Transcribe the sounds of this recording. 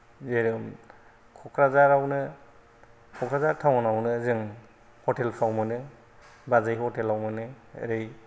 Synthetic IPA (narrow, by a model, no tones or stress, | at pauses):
zeɾɯm | kʰɔkʰɾazaɾawnɯ | kʰɔkʰɾazaɾtʰawɔnawnɯzɯŋ | hɔtelpʰawmɯnɯ | bazajhɔtelawmɯnɯ | ɾej